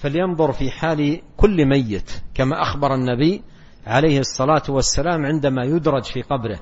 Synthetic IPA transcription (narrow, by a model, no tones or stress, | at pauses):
faljɑnðˤʊɾfiħaːlkʊlːmajːɪt̪kamaʔaxbɑɾˤanːabiː | ʕalajhɨsˤːɑlaːt̪wasːalaːmʕɪnd̪amajʊd̪ɾˤɑd͡ʒfiːqɑbɾɪh